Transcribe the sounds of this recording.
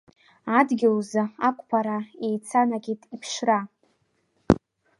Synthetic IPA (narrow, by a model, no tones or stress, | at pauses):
adɡʲɪlzaakʷʼpʰaɾaejt͡sʰanaɡʲitʰʼipʰʂra